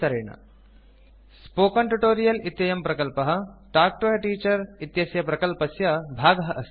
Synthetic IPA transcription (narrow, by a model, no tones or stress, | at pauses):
ɐɾeːɳɐ̰ | spoːkɐɳʈuʈoːɾijɐlit̪jɐjɐmpɾɐkɐlpɐɦɐ̆ʈaːk̚ʈoːjɐʈiːt͡ʃɐɾit̪jɐsjɐpɾɐkɐlpɐsjɐbʱaːɡɐɦɐʔɐs